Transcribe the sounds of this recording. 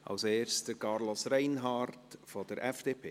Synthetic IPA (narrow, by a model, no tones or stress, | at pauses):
ʔɑ̰lseːrsd̥əɾkɑːɾlɔsrɛɪnɦɑrtfɔd̥əɾʔɛfd̥eːpʰeː